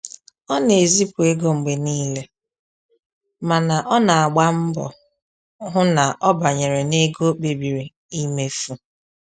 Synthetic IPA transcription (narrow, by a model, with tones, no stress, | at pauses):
ɔ˦ne˨e˨zi˦pu˨e˦ɡo˦ŋ͡m̩˨ɡ͡be˨niː˦le˦ | ma˨na˨ʔɔ˦na˨a˨ɡ͡ba˦m̩˦bɔ̰˨ | ɦʊ˦na˨ʔɔ˦ba˨ɲe˨ɾe˨ne˦ɡo˦k͡pe˨bi˨ɾi˨ | i˦me˦fu˦